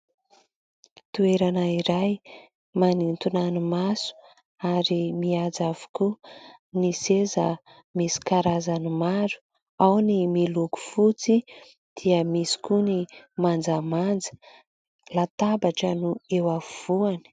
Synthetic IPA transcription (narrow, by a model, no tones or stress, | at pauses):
t̪ueɾanaiɾaj | manint̪unanimasu̥ | aɾimiad͡zavu̥kunisezə | misi̥kaɾazanimaɾu̥ | awnimiluku̥fut͡si | d̪̥iəmisi̥kunimand͡zamand͡zə̥ | lat̪abaʈ͡ʂənuewav̥uani̥